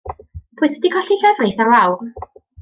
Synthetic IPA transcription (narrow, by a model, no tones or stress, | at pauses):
pʰʊɨθɛdikʰɔɬiɬɛvrejθarlˠawr